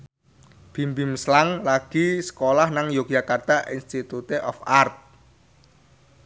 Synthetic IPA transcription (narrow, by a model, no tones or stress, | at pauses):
b̥i̤mbimslaŋlaɡ̥isə̥kolahnaŋjok̚d͡ʒakart̪aʔinst̪it̪ut̪eʔɔfart̪̚